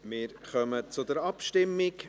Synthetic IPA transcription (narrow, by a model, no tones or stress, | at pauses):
mɪːɾχœmət͡sʊd̪əɾɑpʃtɪmːɪk